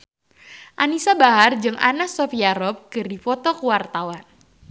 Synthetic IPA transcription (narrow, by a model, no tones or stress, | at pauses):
ʔanisabaɦard͡ʒɨŋʔa̰nasɔfiaɾɔp̚kɨrdifɔt̪ɔkuwart̪awan